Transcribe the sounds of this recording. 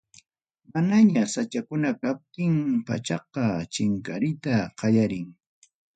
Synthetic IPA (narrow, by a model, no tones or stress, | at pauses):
manaɲasat͡ʃakʊnakap̚t̪ɪŋpa̰t͡ʃɑq̚ɑt͡ʃɪŋkaɾɪt̪aqɑjaɾɪŋ